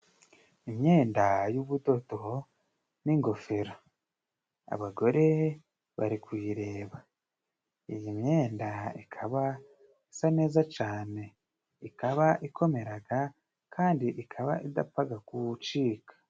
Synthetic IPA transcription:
imɲe̞ːndajuβudo̞to | niŋɡo̞feɾa | a̰βaɡo̞ɾe̞ | βaɾikwiːɾe̞ːβa | ijimɲe̞ːndaikʰaβa | isane̞ːzat͡ʃaːne̞ | ikaβaʔiko̞me̞ɾaɡa | kʰaːndiʔikʰaβa̰ʔida̰paɡakut͡ʃiːkḁ

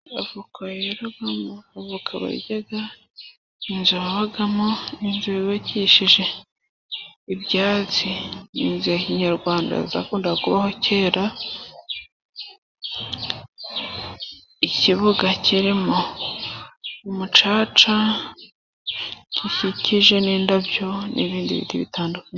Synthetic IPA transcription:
avukʰajeɾuɡamoavukʰaβa̰ɟaɡa | inzuβaβaɡamoinzuβiβaciʃiʒe̞ | iβjaːt͡sinḭnziaciɲaɾɡwaːnda̰zitakuːndekakuβaho̞ce̞ːɾa | iciβuɡaciɾimo̞ | umut͡ʃaːt͡ʃa | ciçiciʒe̞niːndabjo̞nʔḭβiːndiβḭtiβḭtaːndukaɲ

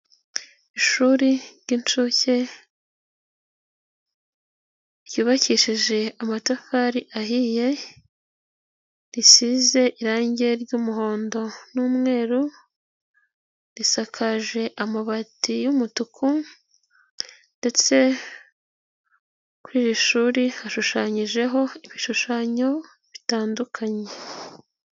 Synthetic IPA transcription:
iʃuɾiɾɟint͡ʃuce̞ | ɾjuːβaciʃiʒe̞amatafaɾiʔaɦije̞ | ɾisize̞ʔiɾaːɲɟe̞ɾɟuːmuɦo̞ːndo̞nuːmŋe̞ːɾu | ɾisakʰaʒe̞ʔamaβatijumutukʰu | nde̞t͡se̞ | kuɾiːɾiʃuːɾihaʃuʃaːɲiʒe̞ɦo̞iβiʃuʃaɲo̞ | βitaːndukʰaɲe

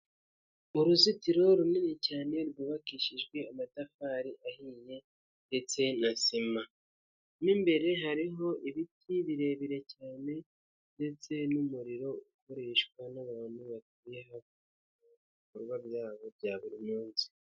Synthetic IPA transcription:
uɾuzitiɾo̞ɾuminecaːne̞ɾɡuːβakiʃiʒɡwe̞amatafaɾiʔahiːje̞ | nde̞t͡se̞nasima | nimbe̞ɾe̞ɦaɾiɦo̞ʔiβitʰiβiɾe̞βiɾe̞caːne̞ | nde̞t͡se̞numuɾiɾo̞uko̞ɾe̞ʃkwanaβaːn̥huβat̚ijeɦak | muβiβ | koɾɡwabjaːβo̞bɟaːβuɾimuːnzi̥

